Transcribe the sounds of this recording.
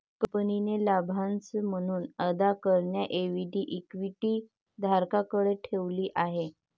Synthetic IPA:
kəpninelabʱãnt͡səm̤əɽ̃uːnəd̪akəɾɳjaʔeʋiɖiːʔikʋiʈiː | d̪ʱaɾkakəɽeʈʰeʋliːʔaɦe

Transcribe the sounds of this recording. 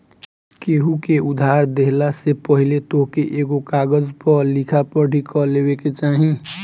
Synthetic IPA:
keːɦukeʊd̪ʱaːɾd̪eɦlasepəɦilet̪oɦkeʔeːɡokaːɡəd͡ʒpəɾlikʰapəɾɖʱikʰɔleːweket͡ʃaːɦĩ

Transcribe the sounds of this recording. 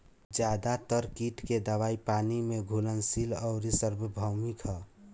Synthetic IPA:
d͡ʒjad̪at̪əɾkiʈked̪əwaipaːnimeɡʱulənsilɔʊɾisəɾbʱbʱəwmikə

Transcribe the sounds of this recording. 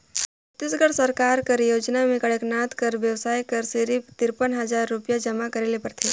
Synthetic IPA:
t̪ɪsɡəɽsɐɾkaːɾkəɾjoːd͡ʒnamẽkɐɽeknaːt̪kɐɾʋjəwsaːikɐɾsɪɾipt̪ɪɾpənɦɐzaːɾːʊpijad͡ʒɐmakɐɾeːlepɐɾt̪ʰeː

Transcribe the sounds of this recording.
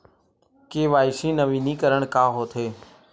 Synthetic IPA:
keːʋaːiʃĩːnəʋĩːniːkəɾəɳkaːɦoːt̪ʰeː

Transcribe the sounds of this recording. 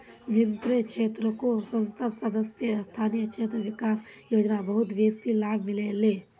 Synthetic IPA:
ʋʱɪnt̪ɾekʃeːt̪ɾəkosə̃nsəd̪səd̪əsjəst̪ʰaːnijəkʃʰeːt̪ɾəʋɪkaːsjoːd͡ʒnabəɦʊt̪ʋeːsilaːbʱmɪleleː

